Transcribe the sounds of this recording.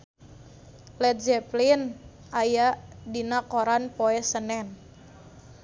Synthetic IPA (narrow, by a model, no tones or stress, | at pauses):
lɛt̪̚d͡ʒɛplin | ajaʔdinakoɾanpoɛsənɛn